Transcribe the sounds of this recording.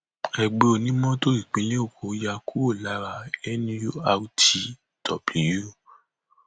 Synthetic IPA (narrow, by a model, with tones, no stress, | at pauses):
ɛ˧ɡ͡be˧o˧nĩ˦mɔ̃˦to˦ɾi˦˨k͡pĩ˨˧˦le˦o˦˨ko˨˦ja˧kʰu˦o˦˨la˨˦ɾa˦˨ɛ˦nĩ˦jo˦a˧u˦ti˧ | d̥ɔ˨bli˨ju˦